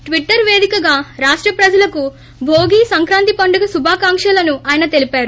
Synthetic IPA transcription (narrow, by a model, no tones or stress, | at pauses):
ʈʋiʈːɐɾʋe̞ːd̪ikɐɡaːɾaːʂʈɾɐpɾɐd͡ʒɐlɐku | bʱoːɡiːsɐŋkɾaːnt̪ipɐɳɖɐɡɐsubʱaːkaːŋkʂɐlɐnuaːjɐnɐt̪elipaːɾu